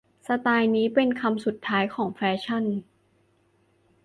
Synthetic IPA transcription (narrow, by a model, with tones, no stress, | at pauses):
sa˧t̪aː˧jniː˦˥pe˧nkʰa˧msu˨˩t̪ʰːaː˦˥jkʰɔː˩˦ŋfɛː˦˥t͡ɕʰa˥˩n